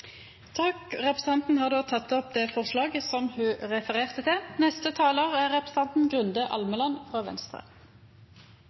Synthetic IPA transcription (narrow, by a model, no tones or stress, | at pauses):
t̪ʰɑkʁɛpʁəs̩t̪ɑnt̪n̩hɑːʁd̪oːt̪ʰɑt̪ːɔp̚d̪eːfɔʁslɑːɡəsɔmhʉːʁɛfəʁeːʁt̪ət̪ʰɪlnɛst̪ət̪ʰɑːləʁæʁɛpʁəs̩ɑnt̪n̩ɡʁʉnd̪əʔɑ̰lməlɑnfʁɑːʋɛ̰nst̪ʁə̰